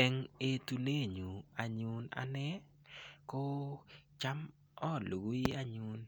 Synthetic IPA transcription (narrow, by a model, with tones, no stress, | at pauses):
ɛ˦ŋe˦tu˦ne˦˨ɲu˨a˨ɲu˦na̰˨˦nɛ˦ | ko˦t͡ʃa˦m | ɔ˦˨lo˨ɡu˦i˦a˦ɲu˦n